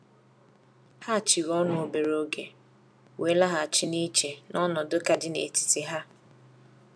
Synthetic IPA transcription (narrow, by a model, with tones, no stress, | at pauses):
ha˦a˨t͡ʃi˨ɣɔ˦nʊ˨o˨be˨ɾo˦ɡe˨ | we˨˦la˦ɦa˨a˨t͡ʃɪ˦ni˦t͡ʃe˨nɔ˦nɔ˨do˦ka˨dɪ˦nḛ˨ti̥˨tɪ˦ɦa˦